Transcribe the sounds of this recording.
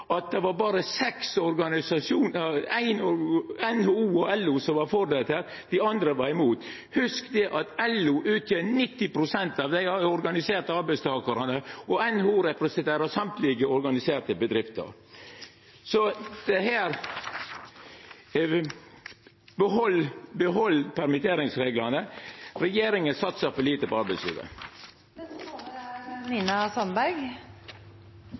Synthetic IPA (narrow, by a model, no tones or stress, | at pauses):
ʔɑt̪̚d̪ɛʋɑɾbɑːɾəsɛksɔɾɡɑnɪsɑʃuːnæɪnɔænhoːuːɔɛlːʊsɔmʋɑɾfɔɾd̪et̪əɾ | d̪ɪɑnd̪ɾəʋɑɾɪmuːt̪ | hʉskd̪ɛʔɑt̪ɛlːʊʔʉːt̪ʰjeːnɪt̪ːɪpɾʊsɛnt̪ɑʋd̪æɪɔɾɡɑnɪseːɾt̪əɑɾbæɪst̪ʰɑːkəɾənəɔɛnhuːɾɛpɾɛsənt̪ʰeːɾəsɑmt̪lɪɡəɔɾɡɑnɪseːɾt̪əbəd̪ɾɪft̪ə̰ɾ | sɔd̪̥ɛɦæːɾ | bəɦɔlbəɦɔlːpʰæɾmɪt̪ʰeːɾɪŋsɾeːɡlɑnəɾɛjeːɾɪŋənsɑt̪səfɔɭiːt̪əpɔɑɾbæɪshḭːʋə̰ | nɪnɑsɔnbæɾɡ